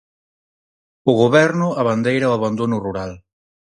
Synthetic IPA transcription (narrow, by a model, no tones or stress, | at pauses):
ʊɣ̞oβɛɾnʊaβand̪ejɾawaβand̪onʊruɾal